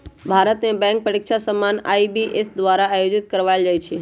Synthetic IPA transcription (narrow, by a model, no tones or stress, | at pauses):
bʱaːɾət̪mẽbɛ̃ːŋk̚pəɾɪkʃasəmːana̰ibiʔesd̪ʋaɾaːjod͡ʒɪt̪̚kəɾʋaɪld͡ʒaːjt͡ʃʰe